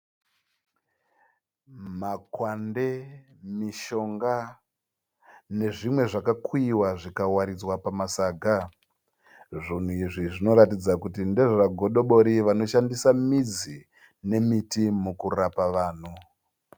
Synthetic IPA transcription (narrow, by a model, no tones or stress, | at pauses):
makwande̞ | miʃo̞ŋɡa | ne̞ʐimwe̞ʐakakuiwaʐikawaɾid͡zwapamasaːɡʱa | ʐin̤uiʐiʐino̞ɾatid͡zakutinde̞ʐoaɡʱoɗo̞ɓo̞ɾiʋano̞ʃandisamid͡zi | ne̞mitimukurapaʋaːn̤u